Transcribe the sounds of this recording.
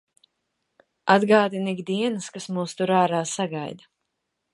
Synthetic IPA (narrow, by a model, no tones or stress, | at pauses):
ad̪ɡaːd̪iniɡd̪iɛnɨskasmuːst̪uɾaːɾaːsaɡajd̪a